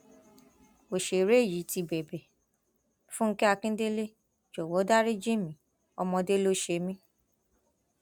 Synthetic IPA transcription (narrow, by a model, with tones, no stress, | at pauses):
o˨ʃe˨ɾe˦˨ji˨˦ti˧bɛ˨bɛ˨ | fũ˦ŋ̩˦kɛ˦a˧kĩ˦de˦le˦ | d͡ʒɔ˨wɔ˨˦da˦ɾi˦d͡ʒĩ˦˨mĩ˨˦ | ɔ˧mɔ̃˧de˦lo˦ʃe˧˦mĩ˦